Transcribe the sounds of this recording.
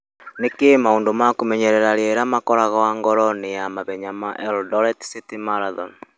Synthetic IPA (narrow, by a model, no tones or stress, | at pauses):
nekemaoːndomakomɛɲɛɾɛɾaɾeɾamakɔɾaɣawaŋɡɔɾɔnejamaβɛɲamaʔɛldɔɾɛtsitimaɾaðɔn